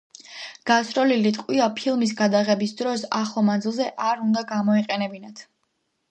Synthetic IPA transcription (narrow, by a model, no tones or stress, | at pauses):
ɡ̥asɾɔlilit̪ʼqʼwiapʰilˠmis̬ɡad̪aʁɛbisd̪ɾɔsaχlˠɔmand̪zilˠzɛʔaɾund̪aɡamɔiqʼɛnɛbinat̪ʰ